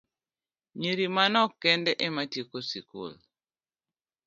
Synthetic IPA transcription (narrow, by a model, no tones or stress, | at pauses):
ɲiɾimanɔkːɛndɛʔematjikosikṵl